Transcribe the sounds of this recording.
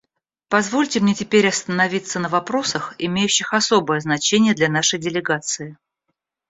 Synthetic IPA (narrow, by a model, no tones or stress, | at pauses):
pɐzvo̞lʲtʲɪmnʲetʲɪpʲeɾʲɐst̪ənɐvʲit̪sːənəvɐpɾo̞səxɪmʲejʉɕːɪxɐsobəjəznɐt͡ɕenʲɪjəd̪lʲɐn̪aʂəjdʲɪlʲɪɡat̪sɨɪ